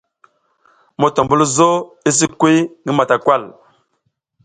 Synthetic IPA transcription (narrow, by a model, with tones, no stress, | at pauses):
mo˨to˨mbu˦lzo˦i˦s̬i˦kwi˦ŋi˦ma˨ta˨kwa˦˨l